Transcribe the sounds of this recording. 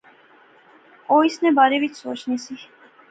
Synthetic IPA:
ɔisnɛbaɾɛvit̪sɔt͡ʃʰnisi

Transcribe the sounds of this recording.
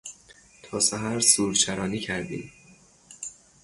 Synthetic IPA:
t̪ʰɒːsæɦæɾsuːɾt͡ʃʰæɾɒːniːcʰæɾd̪ḭː

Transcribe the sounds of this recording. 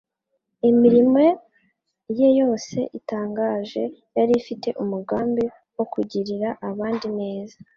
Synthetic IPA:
imiɾime̞ | jejo̞se̞̰ʔitaːŋɡaːʒe̞jaɾifite̞ʔumuɡaːmbi | wo̞kuɟiɾiɾaʔaβaːndine̞ːza

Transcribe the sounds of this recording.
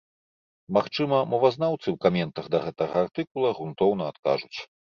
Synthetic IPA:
maxt͡ʂɨmɐmɔvaznawt̪sɨwkamʲɛnt̪ɐɣd̪ɐɣɛt̪ɐɣɐart̪ɨkulˠɐɣunt̪ɔwnɐat̪ka̰ʐut͡sʲ

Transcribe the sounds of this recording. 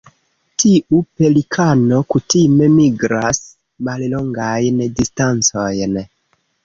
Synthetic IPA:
tiupe̞likʰano̞kutime̞miɡɾas | malloŋɡajndistant͡sojn

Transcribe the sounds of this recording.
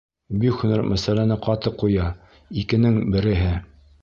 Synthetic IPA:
bikhʉnæɾmʔæsælænɘqɑt̪ɤqːujɑ | ikɘ̆nɘŋbɘ̆ɾɘ̆ɦɘ

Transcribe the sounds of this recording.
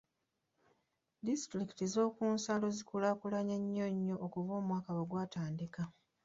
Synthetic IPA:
distɾiki̥tizo̞ːkuːnsalo̞zikulakulaɲeɲːoɲːo̞ʔːkuvo̞ːmwaːkaweɡwaːtaːndika

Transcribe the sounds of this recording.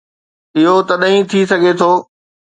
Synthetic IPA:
ɪɦot̪ɐɗɦĩt̪ʰis̬ɐɡʱet̪ʰoː

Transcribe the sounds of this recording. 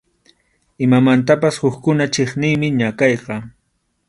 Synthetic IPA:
ɪmamant̪̬apashʊkkʊnat͡ʃeχnɪjmɪɲakɑjqɑ

